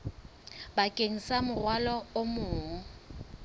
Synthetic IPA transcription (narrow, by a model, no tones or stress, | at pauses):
bakʼeŋ̩samʊrwalɔomʊːŋ̩